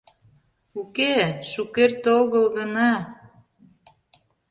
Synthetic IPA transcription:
ukeʃukert̪oɣəlɣənɑ

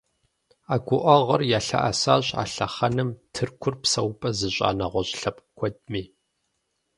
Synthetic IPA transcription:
aːɡʷʊʔɔʁɐrjaːɬɐ̰ʔasaːɕʼa̰ːɬɐ̰χɐnɨmtʰɨrkʷʰʊrpsɐwpʼɐzɨɕʼa̰ːnɐʁʷɔɕʼɬɐpʼkʷʰɔd̚miː

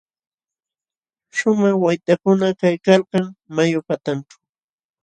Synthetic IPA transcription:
ʃʊmɑχwajt̪akʊnakajkɑlqɑŋmajʊpat̪ant͡ʃḁ

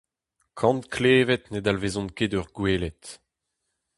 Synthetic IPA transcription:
kʰɑ̃ntkʰleːvɛt̪nedalvezɔ̃nkedœʁɡweːlet

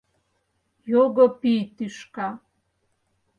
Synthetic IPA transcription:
joɡəpit̪iʃka

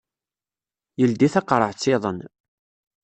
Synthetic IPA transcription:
jəld̪iθɑqɾˤəʕt͡sːɪðˤən

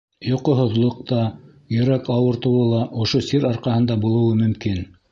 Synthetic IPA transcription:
joqɤɦŏðlˠɤ̆q̚t̪ɑ | jɵ̆ɾækɑwɤ̆ɾt̪ɤ̆wɤlˠɑʔŏʃosiɾɑɾqɑhɤ̆nd̪ɑbulˠŏwɤmɵ̆mkin

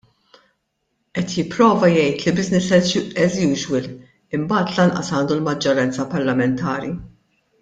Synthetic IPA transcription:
ʔɛt̪jɪpːɾɔːvɐjɛjt̪libɪznɪsɛʔɛzjuːʒwɪl | ɪmbɐːt̪lɐnʔɐsɐːnd̪ulmɐd͡ʒːɔɾɐnt͡sɐpɐɾlɐmɛnt̪ɐːɾi

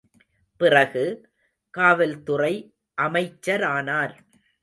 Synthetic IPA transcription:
pɪrɐɣɯ | kaːʋɐlt̪ʊrɐɪ | ʔɐmɐɪt͡ʃːɐɾaːnaːɾ

